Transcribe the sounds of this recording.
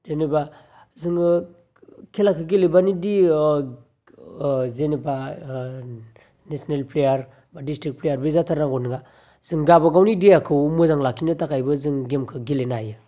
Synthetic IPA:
zeniba | zɯŋ | kʰelakʰɯɡelebanidi | zenipa | nesinelplejaɾ | badistɾik̚plejaɾbizatʰaɾaŋɡɔnɯɡa | z̥ɯŋɡabaɡawnidejakʰɯwmɯzaŋlakʰinɯtakʰajbɯzɯŋɡemkʰɯɡelenajɯ

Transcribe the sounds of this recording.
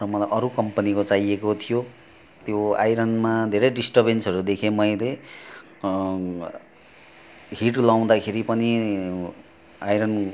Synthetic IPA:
rʌmʌlajʔʌɾukʌmpʌnikot͡sajekot̪ʰijo | t̪joa̰jɾʌnmad̪ʱeɾʌjɖisʈʌrbensʌɾud̪ekʰemʌjle | ɦiʈlaw̃d̪akʰeɾipʌni | ajɾʌn

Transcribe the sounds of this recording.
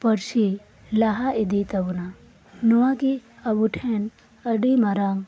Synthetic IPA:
pɐɾʃi | laɦaid̪it̪ɐbna | nuwakiɐbuʈʰen | ɐɖimɐɾaŋ

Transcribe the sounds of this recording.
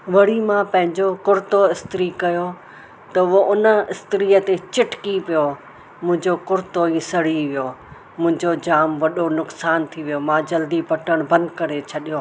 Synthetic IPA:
ʋɐɽimãpɐ̃ɦɪ̃ɲd͡ʑokʊɾt̪oɪst̪ɪɾikɐjo | t̪ɐʋoʔʊnə̆ɪst̪ɪɾiːət̪et͡ɕɪʈkipijo | mʊ̃ɦɪ̃ɲd͡ʑokʊɾt̪oisɐɽ̤iʋijo | mʊ̃ɦɪ̃ɲd͡ʑod͡ʑaːmʋɐɗonʊksaːnt̪ʰiʋijomãːd͡ʑɐld̪ipɐʈəɽ̃bɐ̃nd̪kɐɾet͡ɕʰɐɗijoː

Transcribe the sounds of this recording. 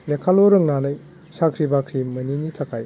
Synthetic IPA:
lekʰalɔɾɯŋnanɯj | sakʰɾibakʰɾimɐninitʰakʰaj

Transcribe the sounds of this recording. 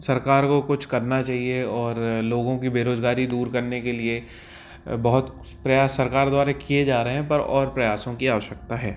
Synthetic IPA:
sɐɾkaːɾkokʊt͡ʃʰkɐɾnat͡ʃaːɦieɔːɾloːɡõkibeːɾoːzɡaːɾid̪uːɾkɐɾnekelie | bɐɦʊt̪ | pɾɐjaːsːɐɾkaːɾd̪waːɾekied͡ʒaːɾeɦɛ̃pɐɾɔ̰ːɾpɾɐjaːsõkiaːʋəʃjək̚t̪aɦɛː

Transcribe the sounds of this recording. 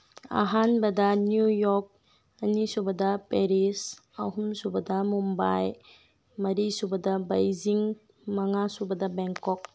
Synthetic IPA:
a̰ɦanbɐdɐnjujɔk̚ | ɐnisubɐdɐpeɾis | ɐɦumsubɐdɐmumba̰j | mɐɾisubɐdɐbajziŋ | mɐŋasubɐdɐbɛŋkɔk̚

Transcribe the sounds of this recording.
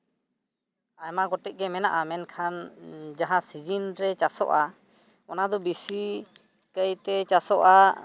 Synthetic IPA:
ajmaɡɔʈɛc̚ˀɡɛmɛna̰ʔamɛnkʰand͡ʒaɦãsid͡ʒinɾɛt͡ʃasɔ̰ʔa | ɔnad̪ɔbisi | kəjt̪ɛt͡ʃasɔʔa

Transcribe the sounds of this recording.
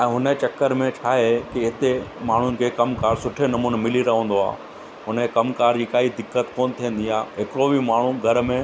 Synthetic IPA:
ɛ̃ːɦʊnət͡ɕɐkːəɾmẽt͡ɕʰaːɦekiɦɪt̪emaːɳ̤ʊnɪ̆kʰeːkɐmkaːɾsʊʈʰenɐmuːnmɪliɾɐɦə̃ːn̆d̪oa̰ː | ɦʊnkɐmkaːɾd͡ʑiːkaːid̪ɪkːət̪koːnt̪ʰiə̃n̆d̪iaːɦɪkɪɾobʱimaːɳ̤ũɡʱɐɾmẽ

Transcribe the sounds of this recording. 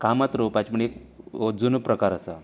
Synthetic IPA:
kamat̪ɾowpat͡ɕməɳekod͡zunpɾəkaɾəsa

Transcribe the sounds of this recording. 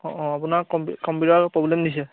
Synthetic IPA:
ɔ̃ʔɔ̃apunaɹkɔmkɔmpjutaɹpɹɔblɛmdis̬ɛ

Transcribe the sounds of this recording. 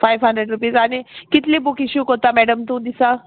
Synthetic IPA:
fajʋɦəɳɖɾeɖɾupiːzaɽ̃ikit̪liːbukiɕuːkɦot̪amɛɽəmt̪ũːd̪isa

